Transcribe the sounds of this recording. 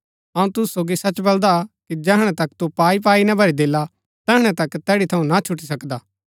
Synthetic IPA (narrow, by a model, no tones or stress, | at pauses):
ɐũt̪ʊssoːɡisɐt͡ʃbɐld̪akid͡ʒɛːɦɽ̃ɛ̃t̪ɐkt̪upaːip̬aːinɐbʱɐɾid̪eːla | t̪ɛːɦɽ̃ɛ̃t̪ɐkt̪ɛːɽit̪ʰɐũnat͡ʃʰʊʈːisɐkd̪aː